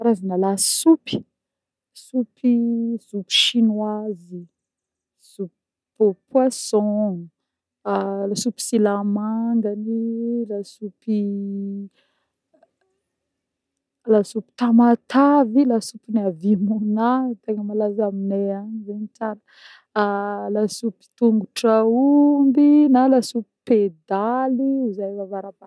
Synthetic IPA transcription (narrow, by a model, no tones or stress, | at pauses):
aɾazinalasupi̥ | supʰiz̥upi̥ʃinwazi | z̥up | pwasɔ̃ | lasupi̥silamaŋɡanilasupi | lasupi̥t̪amat̪avilasupiniavimunat̪eŋəmalazamineaɲizenit͡ʃanə | lasupi̥t̪uŋɡuʈ͡ʂaumbinalasupi̥ped̪aliizajvavaɾapa